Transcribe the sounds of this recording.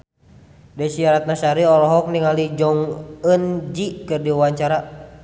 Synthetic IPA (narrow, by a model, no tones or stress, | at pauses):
dɛsiaɾat̪̚nasaɾiɔlɔɦɔk̚niŋalid͡ʒɔŋənd͡ʒikɨrdiawaɲt͡ʃaɾa